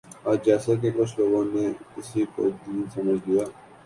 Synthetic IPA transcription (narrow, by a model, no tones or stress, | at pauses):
aːd͡ʒɛːsek̬ekɾosloːɡõːnːeːkɪsiko̰d̪iːnsəməd͡ʒd̪ɪjaː